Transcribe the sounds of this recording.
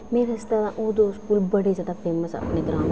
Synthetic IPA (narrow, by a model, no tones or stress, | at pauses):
meːɾɐst̪at̪ãʔoːd̪oːskuːlbɐɽed͡ʒaːd̪afeːməsɐ̰pneɡɾãːm